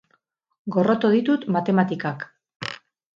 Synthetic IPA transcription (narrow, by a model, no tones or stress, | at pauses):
ɡo̞ro̞t̪oðit̪ut̪mat̪e̞mat̪ikak